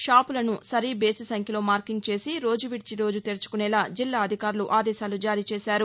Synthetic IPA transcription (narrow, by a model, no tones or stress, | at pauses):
ʃaːpulɐnusɐɾibe̞ːsisɐŋkʰjɐlo̞ːmaːɾkiŋɡ̚t͡ʃe̞ːsiɾo̞ːd͡ʒuʋiʈ̚t͡ʃiɾo̞ːd͡ʒut̪eɾt͡ʃu̥kunɛlaːd͡ʒilːaːɐd̪ʱikaːɾuluʔaːd̪ɛːʃaːlud͡ʒaːɾiːt͡ʃeːsaːɾu